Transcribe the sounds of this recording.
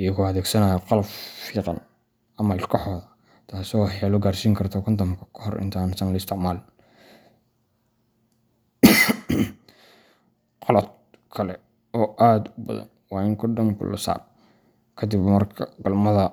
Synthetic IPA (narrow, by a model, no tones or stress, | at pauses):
iɐkʊɐðɛːɡsɐnaːjɐqɔlɐbfiːqɑ̰n | ɐmɐɪlkʰɔħɔːðɐ | t̪ʰaːsɔːwɑħjaːlɔɡaːrsiːŋkʰɐrt̪ʰɔkʰɔnt̪ɐmkʰɐ̥kʰɔɦɔrʔɪ̰nt̪ʰaːnsɐnlɐɪst̪ʰɪʕmaːl | qɔlɐd̪̚ | kʰɐlɛ | ɔːʔaːd̪ʊbɐ̰ðɐ̰nwɑːɪŋkʰɔdɐmkʰʊ̰lɐ̰sa̰ːr | kʰɐd̪ɪbmɐrkʰɐɡɐlmɐðɐ